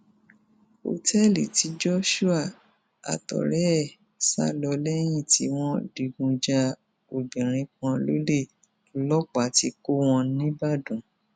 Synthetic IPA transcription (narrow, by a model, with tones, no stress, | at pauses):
o̰˨tɛ˦lḭ˨ti˨˧˦d͡ʒɔ˦ʃu˦a˦˨ | a̰˨tɔ̰˨ɾɛ˦˨ | sa̰˦lɔ˧lɛ˦j̃ĩ˦˨ti˨˦w̃ɔ̃˦di˧˨ɡũ˧d͡ʒa˧ | o˨bĩ˨ɾ̃ĩ˨˧˦kɔ̃˧lo˦le˦˨ | lɔ˦k͡pa˨˦ti˧˦ko˦w̃ɔ̃˧nĩ˦ba˦˨dũ˨˦